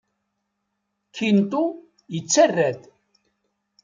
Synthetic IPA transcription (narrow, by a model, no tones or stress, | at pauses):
kʰːint̪u | jət͡sːærːæt̪